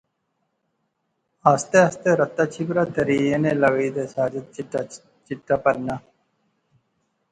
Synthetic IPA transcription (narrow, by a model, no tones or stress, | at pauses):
aːst̪eːast̪eːɾət̪ːaːt͡ʃʰibɾaːd̪əɾiːẽːneːləʋiːd̪eːsaːd͡ʒət̪̚ | t͡ʃɪʈːaːpəɾnaː